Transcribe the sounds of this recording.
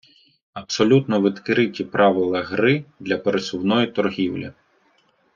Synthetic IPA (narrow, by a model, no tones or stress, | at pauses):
ɐpsɔlʲut̪nɔʋɪd̪kɪɾɪtʲipɾʔɑʋɪlˠɐɦɾɪd̪lʲɐpeɾesʊwnɔjit̪ɔrɦʲiwlʲɐ̰